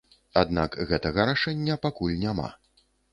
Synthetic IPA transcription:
ad̪nakɣɛt̪ɐɣɐɾaʂɛnʲːɐpakulʲnʲama̰

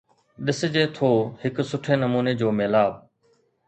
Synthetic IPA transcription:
ɗɪsɪd͡ʑeːt̪ʰoːhɪksʊʈʰeːnəmuːned͡ʑoːmeːlaːb̚

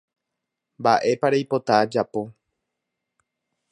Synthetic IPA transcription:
mbaʔe̞paɾejpo̞t̪ad͡ʒapo̞

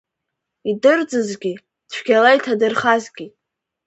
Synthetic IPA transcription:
idɨrd͡zɨzɡʲi̥ | t͡ʃʷʰɡʲalajtʰadɨrχazɡʲi

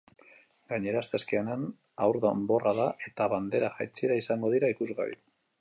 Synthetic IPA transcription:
ɡ̥aɲe̞ɾast̪eskianan | awɾðombo̞raðaʔe̞t̪aβand̪e̞ɾaxajt͡siɾaisaŋɡo̞ð̞iɾaikuzɣa̰ɾḭ

